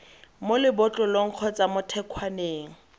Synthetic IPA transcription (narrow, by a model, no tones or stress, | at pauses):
molɪbʊt͡ɬʼɔloŋ̩q͡χʰɔt͡sʼamʊtʰɛkʰwaneːŋ̩